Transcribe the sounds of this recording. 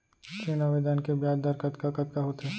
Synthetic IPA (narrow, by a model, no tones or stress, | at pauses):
kinaʋɪd̪ankebjaːd̪aɾkɐt̪kakɐt̪kaɦot̪ɦɛː